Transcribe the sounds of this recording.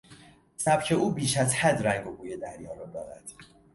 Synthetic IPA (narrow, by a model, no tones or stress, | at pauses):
sæb̥cʰe̞uːbiːʃæzhæd̪ræŋɡobuːjed̪æɾjɒːɾɒd̪ɒːɾæ̰d̪̥